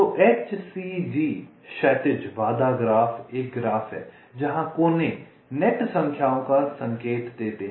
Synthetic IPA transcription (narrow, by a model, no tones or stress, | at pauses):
t̪oːʔeːt͡ʃsid͡ʒiː | ʃɛːʈɪd͡ʒʋaːd̪aɡɾaːfʰeːk̚ɡɾaːfʰɦɛ̰ː | d͡ʒɐɦãkoːne | nɛʈsə̃ŋkʰjaːõkasɐ̃ŋkeːt̪d̪eːt̪eɦ